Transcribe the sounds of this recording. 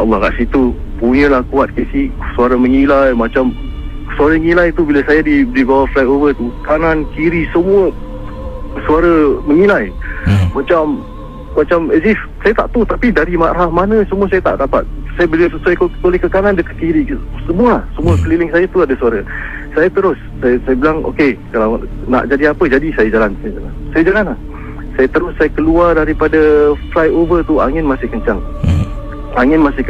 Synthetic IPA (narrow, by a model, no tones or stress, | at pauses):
ɔlːɑ̰ɦɾa̰ʔsit̪u | puɲə̃lahkuat̪̚kesisuaɾəməŋilajmat͡ʃam | suaɾəŋilajt̪ubiləsajadidibawaflakovət̪ukanankiɾisəmuə | suaɾəməŋilajmat͡ʃamː | at͡ʃaməzif | sajat̪aʔt̪ut̪apidaɾimaʔɾɦahmanəsəmuasajat̪a̰ʔdapa̰t̪̚sajabəlassajkbolɛhkəkanandəkakiɾisəmualasəmuəkəlilɪŋsajat̪uadasuaɾə | sajat̪əɾʊsːajsajabilaŋo̰kekalaw | na̰ʔd͡ʒadiapəd͡ʒadisajad͡ʒalansajd͡ʒalansajad͡ʒalanah | sajat̪əɾʊsːajakəluardaɾipadaflajovərt̪ua̰ŋɪnmasɪhkəɲt͡ʃaŋ | aŋɪnmasɪhk